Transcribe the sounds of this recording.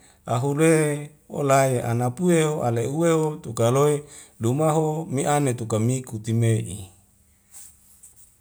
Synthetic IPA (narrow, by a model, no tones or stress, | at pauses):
aɦule | o̰lajeʔa̰napueɦoʔaleuweɦot̪ukaloelumaɦomiʔanet̪ukamikut̪imeʔḭ